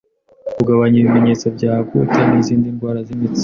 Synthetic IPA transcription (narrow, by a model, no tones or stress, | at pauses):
kuɡaβaɲiβime̞ɲe̞ːt͡sabɟaːkucaːniziːndinbwaːɾazimit͡s